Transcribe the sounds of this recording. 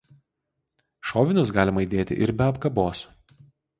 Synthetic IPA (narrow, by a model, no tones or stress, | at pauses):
ʃɔːʋʲɪnʲʊs̬ɡɑːlʲɪmɐid̪ʲeːt̪ʲɪ̰ʔɪɾbʲɛɐpkɐboːs